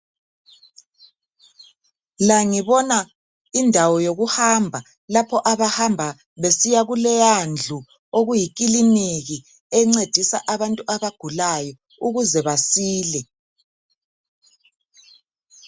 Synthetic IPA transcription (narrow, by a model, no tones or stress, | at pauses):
laŋiβɔna | indʱawɔjoɣuhambʱa | lapʰɔʔaβahambʱa | βesijaɣulɛjand͡ɮʱu | oɣujik̬ʼiliniɣi | ɛŋ͡ǀed̥ʱisa̰ʔaβantʼuʔaβaɡ̥ʱulajɔ | uɣuzɛβasiːlɛ